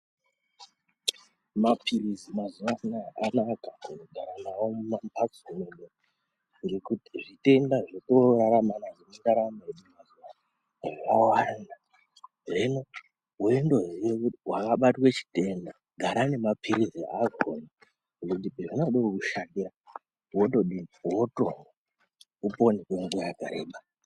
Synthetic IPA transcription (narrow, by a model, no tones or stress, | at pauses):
mapʰiɾizimazuʋananakakunoɡʱaɾanawo̞mumampaksuneɗe | ʐiɾikutiʐite̞ndaʐito̞ɾaɾamanaʐineŋɡaɾameɗimazuʋa | ʐeʋawana | ʐeno̞ | uendo̞ɦjekuwakaɓatwe̞t͡ʃi̥te̞nda | ɡʱaɾane̞mapʰiɾiziʔakona | ʐiroutipeʐinoɗoukuʃandira | wotoɗiwoto | uponekweŋɡujaɡʱa̰ɾeːɓa